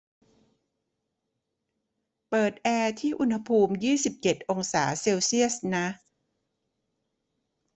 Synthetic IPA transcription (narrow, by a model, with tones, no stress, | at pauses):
pɤː˨˩t̪̚ʔɛː˧t̪ʰiː˥˩ʔu˧nha˧pʰuː˧mjiː˥˩si˨˩p̚t͡ɕe˨˩t̪̚ʔo˧ŋsaː˩˦se˧wsi˥˩əsna˦˥